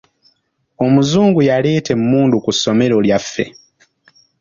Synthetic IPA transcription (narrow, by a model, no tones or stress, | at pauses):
o̞muzuːŋɡujale̞ːte̞mmuːndukusːo̞me̞ɾo̞ljafːḛ